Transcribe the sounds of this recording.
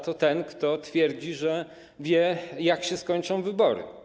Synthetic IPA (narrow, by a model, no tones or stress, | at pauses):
t̪ɔt̪ɛnkt̪ɔt̪fʲjɛɾd͡ʑiʐɛ | vʲjɛjakɕɛskɔɲt͡ʂɔ̃w̃vɘbɔɾɘ̰